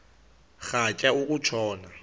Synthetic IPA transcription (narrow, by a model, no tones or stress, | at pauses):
ɣat͡ʃʼaukʼut͡ʃʰɔːna